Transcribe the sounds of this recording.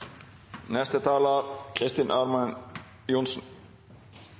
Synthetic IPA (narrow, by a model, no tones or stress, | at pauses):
nɛst̪ɪt̪ʰaːlaɾkʰɾɪst̪ɪnʔaɾman | junsn